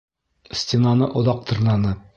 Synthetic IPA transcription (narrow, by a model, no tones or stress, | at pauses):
sʲtʲenɑnɤʔŏðɑq̚t̪ɤ̆ɾnɑnɤ